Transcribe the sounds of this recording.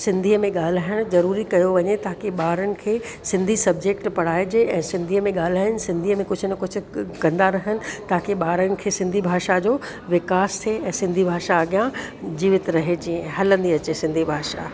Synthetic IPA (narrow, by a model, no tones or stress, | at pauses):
sɪ̃nd̪ʱiːəmẽɠaːl̤aːɪɽ̃ʊzɐɾuːɾikɐjoʋɐɲet̪aɦakeɓaːɾənɪ̆kʰeː | sɪ̃nd̪ʱisɐbd͡ʑeːk̚ʈpɐɽ̤aːed͡ʑeʔɛ̃ːsɪ̃nd̪ʱiːəmẽɠaːl̤aːɦɪənɪ̆sɪ̃nd̪ʱiːəmẽkʊd͡ʑʱʰʊnɐkʊd͡ʑʰʊ̆kɐ̃nd̪aɾɐɦənɪ̆t̪aːkeɓaːɾənɪ̆kʰeːsɪ̃nd̪ʱibʱaːʃad͡ʑoː | ʋɪkaːst̪ʰeɛ̃ːsɪ̃nd̪ʱibʱaːʃaɐɠjãd͡ʑiːʋɪt̪ɾɐɦed͡ʑiːə̃ɦɐlə̃nd̪iɐt͡ɕesɪ̃nd̪ʱibʱaːʃa